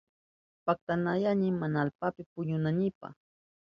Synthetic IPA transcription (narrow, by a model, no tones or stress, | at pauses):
pak̚t̪anajanɪmanaːlpapɪpʊɲʊnanɪpa̰χ